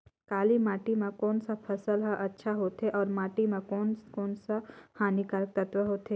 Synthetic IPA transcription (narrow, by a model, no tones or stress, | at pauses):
kaːlimaːʈimẽkɔːnsapʰɐsəlɦaʔɐtːʃʰaɦoːt̪eʔɔːɾmaːʈimẽkɔːnkɔːnsahaːnikaɾək̚t̪ɐt̪ʋəɦoːt̪ɦeː